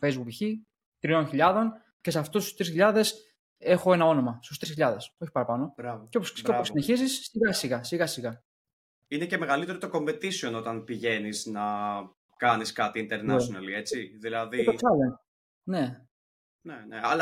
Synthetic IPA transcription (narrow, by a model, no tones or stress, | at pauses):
fejzbukiçi | t̪ɾio̞nçiʎɐðo̞n | ce̞seɐft̪ust̪u̥st̪ɾisçiʎɐðe̞s | e̞xo̞e̞nɐo̞no̞mɐst̪ust̪ɾisçiʎɐðe̞so̞çi̥pɐɾɐpɐno̞ɾɐvocooseoposineçizisːiɣɐsiɣɐsiɣɐsiɣɐ | inece̞meɣɐlit̪e̞ɾot̪oko̞mbe̞t̪isio̞no̞t̪ɐnpiʝe̞niznɐ | kɐniskɐt̪iːnt̪eɾnesonɐlie̞t͡siðilɐðieosɐlent | ne̞ | neneɐlɐ